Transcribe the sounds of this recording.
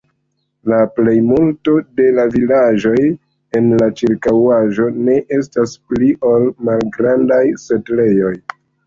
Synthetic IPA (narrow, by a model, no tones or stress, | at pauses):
laple̞jmulto̞de̞lavilaʒo̞j | e̞nlat͡ʃiɾkawaʒo̞ne̞ʔe̞staspliʔo̞lmalɡɾandajse̞tle̞jo̞j